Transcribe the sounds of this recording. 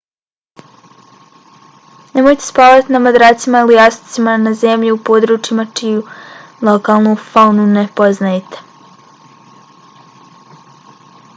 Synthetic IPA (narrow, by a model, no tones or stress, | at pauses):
nemojt̪e̞spaːlat̪inamad̪ɾaːt̪simailijasi̥t̪simanazemʎiupo̞ːd̪ɾuːt͡ʃimat͡ʃiju | lˠo̞kaːlˠnufaunune̞po̞znajet̪e̥